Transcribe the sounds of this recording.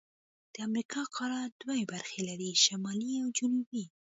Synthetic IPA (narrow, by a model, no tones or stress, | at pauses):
d̪̥əamɾikɑqʰɑɾɑd̪̥wajebaɾxelaɾiʃamɑliawd͡ʒʊnubi